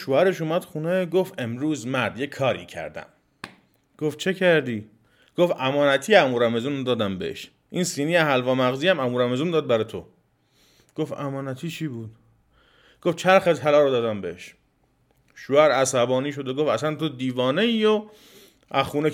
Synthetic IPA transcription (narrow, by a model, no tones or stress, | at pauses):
ʃoæɾe̞ʃuːmæd̪̥xuneɡofemɾuːzmæɾd̪jekʰːɒːɾḭːcʰæ̰ɾd̪æ̰m | ɡ̥oft͡ʃʰe̞cʰæɾd̪iː | ɡ̥ofæmɒːnæt̪ʰiːæmuɾæme̞zuːnd̪ɒːd̪æmbḛḛʃ | ʔiːnsiːniːæɦælvɒːmæɣziːæmæmuɾæmezund̪ɒːd̪̚bæɾɒːjt̪ʰo̰ | ɡ̥ofæ̰mɒːnæt̪ʰiːt͡ʃʰiːbuːd̪̥ | ɡ̥oft͡ʃʰæɾxet̪ʰælɒːɾod̪ɒːd̪æmbḛeʃ | ʃoæɾæsæbɒːniːʃ̬o̞d̪eɡofæsænt̪ʰod̪iːvɒːneiːo | ʔæxuːne